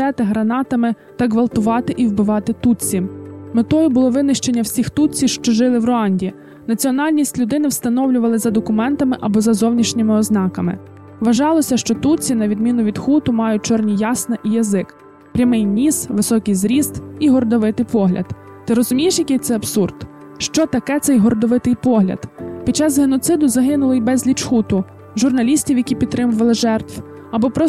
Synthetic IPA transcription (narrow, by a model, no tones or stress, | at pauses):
ɛt̪ɪɦɾɐnɑt̪ɐmɪ | t̪ɐɡʋɐlˠt̪ʊʋɑt̪ɪʔiwbɪʋɑt̪ɪt̪ut͡sʲimet̪ɔjʊbʊlˠɔʋɪnɪʃt͡ʃe̞nʲːɐwsʲixt̪ut͡sʲiwʃt͡ʃɔʒɪlˠɪʋrɔɑnʲdʲii | nɐt͡sʲiɔnɑlʲnʲisʲtʲlʲʊd̪ɪnɪwst̪ɐnɔwlʲʊʋɐlˠɪzɐd̪ɔkʊmɛnt̪ɐmɪʔɐbɔzɐzɔwnʲiʃnʲɪmɪɔznɑkɐmɪ̰ | ʋɐʒɑlˠɔsʲɐʃt͡ʃɔt̪ut͡sʲinɐʋʲid̪mʲinʊʋʲid̪xut̪ʊmɑjʊt̚ʲt͡ʃɔrnʲijɑsnɐʔijɐzɪk | pɾʲɐmɪjnʲisʋɪsɔkʲɪjzɾʲizt̪iɦɔrd̪ɔʋɪt̪ɪjpɔɦlʲʔɐ̰d̪ | t̪ɪɾɔzʊmʲijeʃjɐkɪt̪sɛɐbsurd̪ | ʃt͡ʃɔt̪ɐkɛt̪sɛjɦɔɾd̪ɔʋɪt̪ɪjpɔɦlʲɐ̰d̪pʲid̪̚t͡ʃɑzɦenɔt̪sɪd̪ʊzɐɦɪnʊlˠɪjbɛzʲlʲit͡ʃxut̪ʊ | ʒʊrnɐlʲisʲtʲiwjɐkʲipʲid̪t̪ːɾɪmʊʋɐlˠɪʒɛrt̪ʋ | ɐbɔpɾɔ